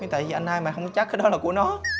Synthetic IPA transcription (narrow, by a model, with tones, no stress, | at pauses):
i˨˦t̪a̰˧˨jvi˨˩ʔa˧jn̟ʔaː˧jmaː˨˩ɦə˧wŋ͡mkt͡ɕa˦˥k̚aː˨˦˥ɗɔ˨˦laː˨˩ku˧˩ənɔ˨˦